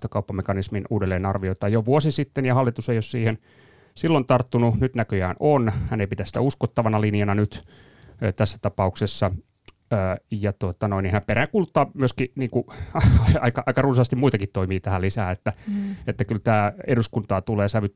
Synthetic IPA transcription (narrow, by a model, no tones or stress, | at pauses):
t̪ɑkɑupːɑmekɑnisminuːdelːeːnɑrʋioit̪ɑːjoʋuosisit̪ːenjɑhɑlːit̪usejossiːhen | silːont̪ɑrt̪ːununyt̪nækøjæːnonhæneipit̪æsi̥t̪æuskot̪ːɑʋɑnɑlinjɑnɑnyt̪ː | t̪æsːæ̥t̪ɑpɑuksesːɑ | jɑt̪uot̪ɑnoinːihæmperækuːlut̪ːɑːmyøskiniːŋkuɑɑikɑɑikɑrunsɑst̪imuit̪ɑkit̪t̪oimiːt̪æhælisæːet̪ːæet̪ːækylt̪æːeduskunt̪ɑːt̪uleːsæʋyt̪